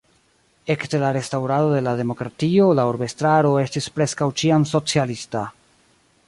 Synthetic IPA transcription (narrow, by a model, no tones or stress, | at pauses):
e̞kte̞laɾe̞stawɾado̞de̞lade̞mo̞kɾatio̞laoɾbe̞stɾaɾo̞e̞stispɾe̞skawt͡ʃiamso̞t͡sialista